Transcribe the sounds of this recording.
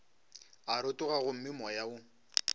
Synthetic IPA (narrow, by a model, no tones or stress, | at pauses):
aɾʊtʼʊɣaɣʊm̩mɪmɔjaʊ